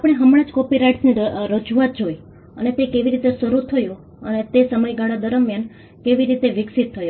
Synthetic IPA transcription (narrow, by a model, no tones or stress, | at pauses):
apɽ̃eɦəmɽãd͡ʒkɔpiɾaiʈsniɾəd͡ʒuat̪̚d͡ʒoj | ənet̪ekeʋiɾit̪esəɾut̪ʰəjũ | ənet̪esəməjɡaɭad̪əɾəmjan | keʋiɾit̪eʋɪksit̪ʰːəjo